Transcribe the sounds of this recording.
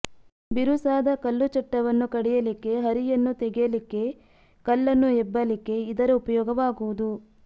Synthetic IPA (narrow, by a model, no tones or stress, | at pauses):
biɾusaːd̪ɐkɐlːut͡ʃɐʈːɐʋɐnːukɐɽɛjɐlikːe̞ɦɐɾijɐnːut̪eɡɛjɐlikːe̞ | kɐlːɐnːuɛbːɐlikːe̞id̪ɐɾɐupɐjɔːɡɐʋaːɡuʋud̪u